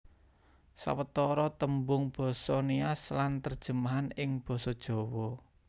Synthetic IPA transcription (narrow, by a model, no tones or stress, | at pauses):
sa̰wət̪ɔɾɔt̪əmbʊŋb̥ɔ̤sɔniaslant̪ərd̥ʒ̥ə̤maɦanɪŋb̥ɔ̤sɔd̥ʒ̥ɔ̤wɔ